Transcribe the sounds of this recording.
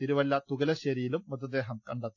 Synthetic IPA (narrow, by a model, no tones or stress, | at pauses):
iɾuʋɐlːɐt̪uɣɐlɐɕɐɾijilumːɐt̪ɐd̪eːɦɐmkɐɳɖɐt̪ː